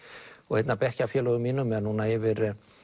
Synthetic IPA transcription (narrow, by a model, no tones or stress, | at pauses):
ɔɣhejt̪napɛhcawfjɛːlɔɣʏmiːnʏmːɛanuːnaɛvɪɾ